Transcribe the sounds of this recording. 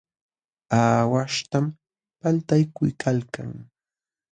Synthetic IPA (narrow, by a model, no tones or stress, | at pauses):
aːwaʃt̪am | palt̪ajkʊjkʰalka̰ŋ